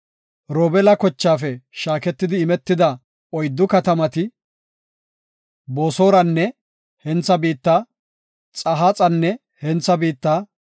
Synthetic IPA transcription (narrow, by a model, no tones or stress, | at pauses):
ɾɔːbɛlɐkɔt͡ʃːaːfɛʃaːkɛt̪ːɪd̪ɪːmɛt̪ːɪd̪ɐ | ɔjd̪ːʊkɐt̪ɐmɐt̪ɪ | boːso̞ːɾɐnːɛ | hɛnt͡sːɐbiːt̪ːa | t͡sʼɐɦat͡sʼɐnːɛ | hɛnt͡sːɐbiːt̪ːaː